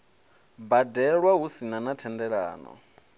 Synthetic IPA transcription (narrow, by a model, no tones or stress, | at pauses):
badɛɺwaɦusinanatʰɛndɛɺa̰ːnɔ̰